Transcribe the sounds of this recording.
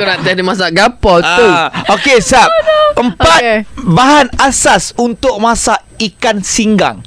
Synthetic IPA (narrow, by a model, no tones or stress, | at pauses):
onãʔt̪adimãs̬aʔɡapɔt̪uokesap̚əmpat̪baɦanasasunt̪ʊk̚mãsaʔ | ikansiŋɡa̰ŋ